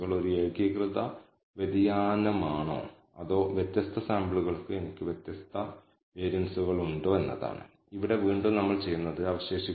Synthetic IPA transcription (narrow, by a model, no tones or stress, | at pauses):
ɣɐɭo̞ɾueːɡikrɨðɐ | ʋed̪ijaːnɐmaːɳo̰ː | ɐðo̞ːʋjet̪jɐst̪ʰɐsaːmbɭuɣɐɭkɨenikʲːɨʋjet̪jɐst̪ʰɐ | e̞ːɾjɐnsuɣɐɭuɳɖo̞ːe̞nːɐ̰ða̰ːɳɨ̰ | iʋiɽe̞ʋiːɳɖonɐmːɐɭt͡ɕe̞jːunːɐðɨɐʋɐɕe̞ːɕi